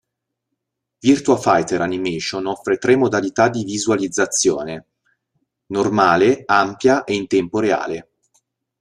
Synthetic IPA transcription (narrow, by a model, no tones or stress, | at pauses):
virt̪uafajt̪eɾanimeːʃonɔfːɾet̪ɾemːod̪alit̪ad̪ivizualid̪zːat̪sːjo̰ːne | normaːleampjaʔeint̪ɛmpoɾea̰ːle